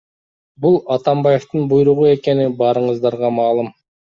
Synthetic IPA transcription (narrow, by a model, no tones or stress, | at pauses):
bulˠɑt̪ɑmbɑje̞ft̪ɯnbujɾuʁue̞ke̞nibɑːɾɯɴɯzd̪ɑɾʁɑmɑːlˠɯm